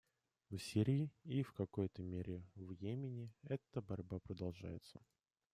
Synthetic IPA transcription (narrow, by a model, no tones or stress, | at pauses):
vsʲeɾʲɪːifkɐko̞jt̪əmʲeɾʲɪvjemʲɪnʲɪɛt̪əbɐɾʲbapɾəd̪ɐlˠʐa̰jɪ̰t̪sə